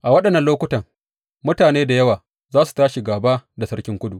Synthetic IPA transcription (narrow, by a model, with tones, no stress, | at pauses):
ʔa˨wɐ˦ɗɐ˨nːɐ˨nloː˦kʷʊ˦tɐ˨ŋ | mʊ˦taː˨neː˦da˨jɐ˦waː˨ | zaː˦su̥˨taː˦ʃi˨ɡaː˨baː˦da˨sɐ˦ɽkʲɪ˦ŋkʷʊ˦du˨ʔ